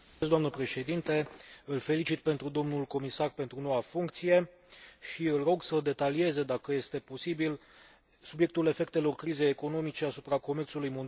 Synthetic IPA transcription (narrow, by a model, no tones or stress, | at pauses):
s̬d̪oamnəpɾe̞ʃe̞d̪int̪e̞ɨlfe̞lit͡ʃit̪̚pe̞nt̪ɾud̪o̞mnulko̞misarpe̞nt̪ɾuno̞wafuŋkt̪sije̞ | ʃiɨlro̞ɡsəd̪e̞t̪alie̞zed̪akəje̞st̪e̞po̞sibil | subje̞k̚t̪ule̞fe̞k̚t̪e̞lo̞rkɾize̞jeko̞no̞mit͡ʃe̞asupɾako̞me̞rt̪sulujmond̪